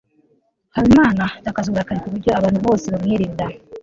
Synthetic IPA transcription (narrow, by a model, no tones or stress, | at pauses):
haβimaːnatakazuɾakaɾikuβuɾɟo̞aβaːnhuβo̞ːseβamŋeɾida